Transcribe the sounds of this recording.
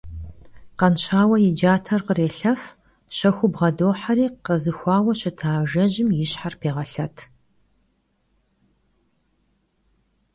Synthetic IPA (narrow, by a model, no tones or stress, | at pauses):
qɐnɕaːwɐjɪd͡ʒaːtʰɐrqəreːɬɐf | ɕɐxʷʊbʁɐdoːħaɾiːqəzɨxʷɑːwɐɕɪtʰaːʒɐʑɪmjɪɕħarpʰeːʁɐɬɐtʰ